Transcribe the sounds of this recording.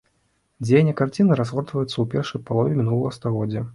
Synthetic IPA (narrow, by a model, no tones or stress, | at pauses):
d͡zʲejnʲɛkart͡sʲinɨɾazɣɔrt̪vɐjut̪sːɐwpʲɛrʂɐjpalˠɔvʲimʲinulˠɐɣɐst̪aɣɔd͡zʲːɐ